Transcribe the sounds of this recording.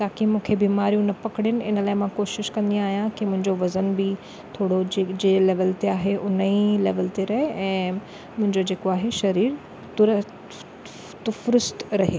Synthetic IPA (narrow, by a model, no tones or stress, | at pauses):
t̪aːkimũːkʰebiːmaːɾijũnɐpɐkɽɪnɪ̆ɪnəlaːɪmãkoːʃɪʃkɐ̃nd̪ijãaːɦijãkimʊ̃ɦɪ̃ɲd͡ʑoʋɐzənbɪ | t̪ʰoːɽoed͡ʑeleːʋəlt̪eaːɦeʔʊnilḛːʋəlt̪eɾɐɦeɛ̃ː | mʊ̃ɦɪ̃ɲd͡ʑod͡ʑeːkoaːɦeʃɐɾiːɾ | t̪ʊɾə | t̪ʊfɾɪst̪ɾɐɦe